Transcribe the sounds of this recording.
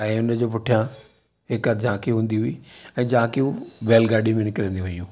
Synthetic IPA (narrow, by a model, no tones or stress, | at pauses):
ɛ̃ːʊnəd͡ʑoːp̬ʊʈʰijã | ɦɪkəd͡ʑʱãːkiɦũːn̆d̪iɦʊiɛ̃ːd͡ʑãːkiuʋeːlɡaːɖimẽnɪkɪɾə̃ːnd̪iʋɐiũː